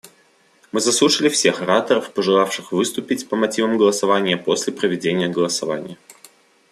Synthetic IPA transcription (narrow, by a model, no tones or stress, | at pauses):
mɨzɐslˠuʂɨlʲɪfsʲe̞xɐɾat̪əɾəfpəʐɨlˠafʂɨxvɨst̪ʊpʲɪtʲpəmɐtʲivəmɡəlˠəsɐvanʲɪjəpo̞sʲlʲɪpɾəvʲɪdʲenʲɪjəɡəlˠəsɐva̰nʲɪ̰jə